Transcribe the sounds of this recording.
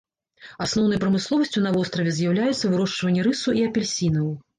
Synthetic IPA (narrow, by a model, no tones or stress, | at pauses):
asnɔwnɐjpɾɐmɨslˠɔvɐsʲt͡sʲun̪ɐvɔst̪ɾɐvʲɛzʲjawlʲajut̪sːɐvɨɾɔʂt͡ʂvɐnʲːɛɾɨsuiɐpʲɛlʲsʲinɐw